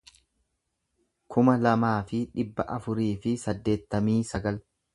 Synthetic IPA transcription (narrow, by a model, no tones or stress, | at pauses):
kʰʊmɐlɐmaːfɪᶑɪbːɐʔɐfʊɾiːfɪsɐd̪ːe̞ːt̪ːɐmiːsɐɡɐl